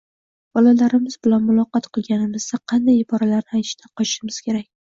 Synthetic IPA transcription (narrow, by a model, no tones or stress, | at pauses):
b̥ɒlalaɾɪmɪzbɪlanmʊlˠɒqɑt̪qʰɨlˠɡʲanɪmɪzd̪aqʰɑnd̪ajɪbɒɾalaɾnɪajt̪ɪʃt̪anqʰɒt͡ʃʃɪmɪz̥kʲʰe̞ɾakʲ